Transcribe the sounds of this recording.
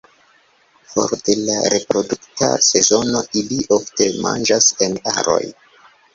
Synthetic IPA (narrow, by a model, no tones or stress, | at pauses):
fo̞̰ɾde̞la̰ɾe̞pɾo̞duktʰa̰se̞zo̞no̞ʔiliʔofte̞ma̰nd͡ʒase̞na̰ɾo̞̰j